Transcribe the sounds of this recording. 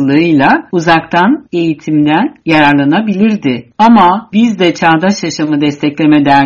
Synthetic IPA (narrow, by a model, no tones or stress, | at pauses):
lˠɯɯjlˠauzakt̪ʰane̞jit̪ʰimd̪ænjaɾaɾlˠanabilʲiɾd̪ɪamabizd̪ɛt͡ʃʰaːd̪aʃjaʃamɯd̪ɛst̪ʰɛclʲe̞me̞d̪æ